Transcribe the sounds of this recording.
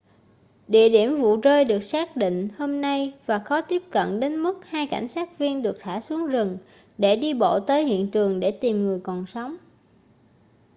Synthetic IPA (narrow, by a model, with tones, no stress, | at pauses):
ɗḭ˧˨əɗi˧˩əmvṵ˧˨zəː˧jɗɨ˨˩ək̚saː˦˥k̚ɗḭ˧˨ŋ̟ho˧mna˧jvaː˨˩xɔ˨˦t̪i˦˥əp̚kə̰˧˨nɗe˨˦nmɨ˦˥k̚haː˧jka̰˧˩jŋ̟saː˦˥k̚vi˧ənɗɨ˨˩ək̚t̪ʰaː˧˩su˨˦əŋzɨ˨˩ŋ | ɗe˧˩ɗi˧ɓo̰˧˨t̪əː˨˦jhḭ˧˨ənt̪ɨ˨˩əŋɗe˧˩t̪i˨˩mŋɨ˨˩əjkɔ˨˩nsa˨˦wŋ͡m